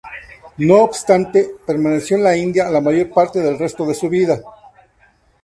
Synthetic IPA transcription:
noːbst̪ant̪epe̞ɾmane̞sjoenlaind̪jalamaʝo̞ɾpaɾt̪eðe̞lre̞st̪o̞ðe̞suβiða

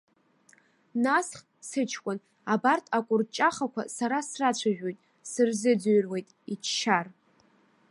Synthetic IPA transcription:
nasχʲ | sɨt͡ʃʰkʷʼʊn | abartʰʼakʷʼʊrt͡ʃʼaχakʷʰa̰saɾasrat͡ɕʷʰaʒᶣo̞jtʼ | sɨrzɨd͡zɥrwe̞jtʼit͡ʃʰʃar

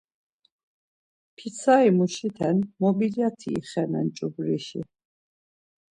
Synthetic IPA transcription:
pʰit̪sʰaimuʃit̪ʰɛnmɔbilijat̪ʰḭːχɛnɛ̰nt͡ʃʼubɾiʃḭ

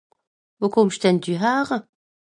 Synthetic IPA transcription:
vokʰomʃtɛn̚d̪yɦaːʁə

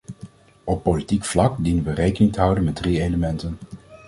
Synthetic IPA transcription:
ɔpːolitikflɑkdinənʋərejkənɪŋtəɦʌwdənmɛd̚riejləmɛntən

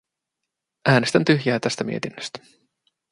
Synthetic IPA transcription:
ʔæːne̞st̪ænt̪yɦjæːt̪æst̪æmḭe̞t̪inːøst̪æ̥

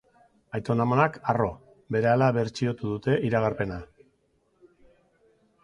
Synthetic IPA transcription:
ajt̪o̞namanakaro̞ | be̞ɾe̞alaβe̞ɾt͡ʃio̞t̪uðut̪e̞ʔiɾaɣ̞aɾpe̞na

